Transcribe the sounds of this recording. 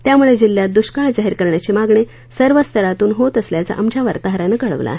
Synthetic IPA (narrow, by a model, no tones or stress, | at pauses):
t̪jamuɭed͡ʑilːjat̪̚d̪uɕkaɭd͡ʑaɦiɾkəɾɳjat͡ɕimaɡɳe | səɾʋəst̪ʰəɾat̪uːnɦot̪əsljat͡sa̰ʔamd͡ʑaʋəɾt̪aɦəɾanəkəɭə̰ʋla̰